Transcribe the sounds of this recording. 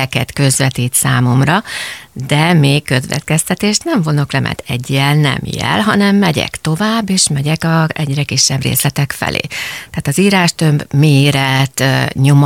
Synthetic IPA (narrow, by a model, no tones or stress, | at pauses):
ɛkɛt̪kø̞zvɛt̪iːt̪saːmo̞mrɒd̪ɛmeːkkːø̞zʋɛ̰t̪kɛst̪ɛt̪eːʃt̪nɛɱvo̞no̞klɛmʔɛ̰t̪ɛɟːɛlnɛ̰mjɛ̰lɦɒnɛmːɛɟɛ̰kt̪o̞vaːbːeːʃmɛɟɛkɒɛɟrɛkiʃːɛbrḛːslɛt̪ɛkfɛ̰lʔḛːt̪ɛaːt̪ɒziːɾaːʃt̪ømbmeːɾɛt̪ɲo̞m